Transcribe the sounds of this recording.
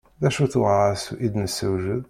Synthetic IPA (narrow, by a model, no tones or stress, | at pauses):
ðæʃuθwˤɑsuʔid̪nəsəwʒəð